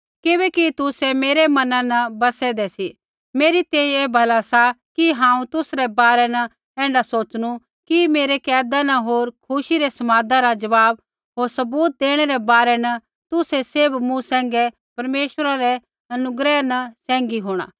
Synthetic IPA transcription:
kɪbɛkit̪ʊsɛmeːɾemɐnãnɐbɐsɛd̪ɛsi | meːɾit̪ɛ̃ːĩeːbʱɐlasakiɦãːũt̪ʊsɾɛbaːɾɛnɐ | ɛ̃ːɳɖasoːt͡ʃɽ̃u | kimeːɾekɛːd̪anɐɦoːɾkʰʊʃiɾɛsɐmaːd̪aɾad͡ʒɐʋaːb̚ | ɦoːɾsɐbuːt̪̚d̪eːɽ̃ɛɾɛbaːɾɛnɐ | t̪ʊsɛsebmũsɛ̃ːŋɡɛ | pɐɾmeːʃʋəɾaɾɛ | ɐnʊɡɾɛːnɐsɛ̃ːŋɡiɦoːɽ̃a̰ː

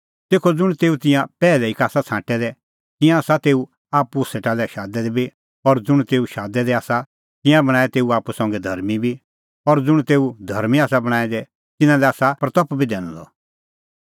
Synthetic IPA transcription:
t̪eːkʰod͡zʊɽ̃t̪eːut̪ɪ̃jãpɛːlɛɪkaːsat͡sʰãːʈɛd̪ɛ | t̪ɪ̃jãːsat̪eːu | aːpuseːʈalɛʃaːd̪ɛd̪ɛbi | ɔɾd͡zʊɽ̃t̪eːuʃaːd̪ɛd̪ɛaːsa | t̪ɪ̃jãbɐɽ̃aːɛt̪eːuaːpusɔ̃ŋɡɛd̪ʱɐɾmibʱi | ɔɾd͡zʊɽ̃t̪eːud̪ʱɐɾmiaːsabɐɽ̃aːɛd̪ɛ | t̪ɪ̃nãlɛaːsapɾɐt̪ɔpbʱid̪ɛːɽ̃ɔ̰̃lɔ̰

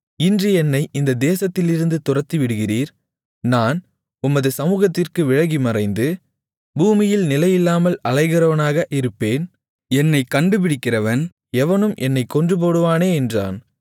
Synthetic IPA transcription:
ɪndrɯɛnːɐɪʔɪnd̪ɐd̪eːsɐt̪ːɪlɪɾɯnd̪ɯt̪ʊrɐt̪ːiʋɪɽɯɣɪriːɾ | naːn | ʊmːɐðɯsɐmuːɣɐt̪ːɪrkɯʋɪɻɐɣimɐrɐɪnd̪ɯ | buːmɪjɪlnɪlɐjɪlːaːmɐlɐɻɐɪɣɪrɐʋɐnaːɣɐʔɪɾɯpːeːn | ɛnːɐɪkːɐɳɖɯp̬ɪɽɪkːɪrɐʋɐn | ɛʋɐnɯmʔɛnːɐɪkːɔndrɯp̬oːɽɯʋaːneːɛndra̰ːn

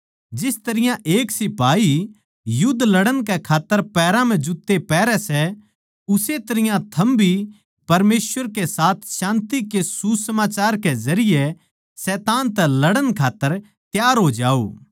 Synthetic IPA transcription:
d͡ʒɪst̪ɐɾɪjãʔeːksɪpaːi | jʊd̪lɐɽənkɛkʰaːt̪ːəɾpɛːɾãm̤ɛ̃d͡ʒʊt̪ːepɛːɾɛsɛ | ʊset̪ɐɾɪjãt̪ʰɐmbʱi | pɐɾmeːsʋəɾkesaːt̪ʰʃãːnt̪ikesusɐmaːt͡ʃaːɾkezɐɾɪje | sɛːt̪aːnt̪ɛlɐɽənkʰaːt̪ːəɾ | t̪jaːɾɦoːd͡ʒaːo̰ː

